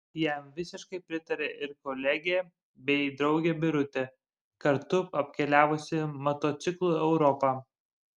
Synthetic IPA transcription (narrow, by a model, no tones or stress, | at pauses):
jæmʋʲɪsʲɪʃkɐɪpʲɾʲɪt̪ɐɾʲeʔɪɾkɔlʲɛɡʲeː | bʲɛɪd̪ɾɒʊɡʲɛbʲɪɾʊt̪ʲe | kɐɾt̪ʊɐpʲkʲɛlʲæːʋʊsʲɪmɐt̪oːt̪sʲɪklˠuːɛʊɾɔpɑː